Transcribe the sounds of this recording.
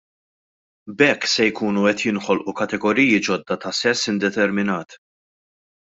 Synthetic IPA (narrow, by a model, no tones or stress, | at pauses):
bɛkːsɛjkuːnuɛt̪jɪnħɔlʔukɐt̪ɛɡɔɾiːjid͡ʒɔd̪ːɐt̪ɐsɛsːɪnd̪ɛt̪ɛɾmɪnɐːt̪